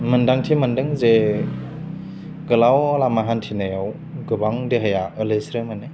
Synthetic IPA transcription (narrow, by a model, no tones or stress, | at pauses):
mɯndaŋtʰimɯndɯŋze | ɡɯlawalamaɦantʰinajaw | ɡɯbaŋdeɦajaɯlesɾɯmɯnɯ